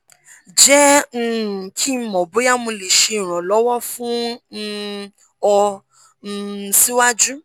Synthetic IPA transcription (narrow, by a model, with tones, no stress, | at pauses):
d͡ʒɛ˦ŋ̩˦˨kʰi˦m̩˦mɔ̃˨bo˨˦ja˦mũ˧le˨ʃẽ˧˨ɾ̃ɔ̃˨lɔ˨˦wɔ˦fũ˦˧ | ɔ˧˦˨ | si˦wa˦d͡ʒu˦